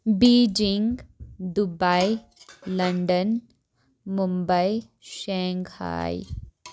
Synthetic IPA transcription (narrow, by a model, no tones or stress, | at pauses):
biːd͡ʒiŋɡd̪ubailɐɳɖən | mumbəi | ʃẽːŋɡha̰ːj̰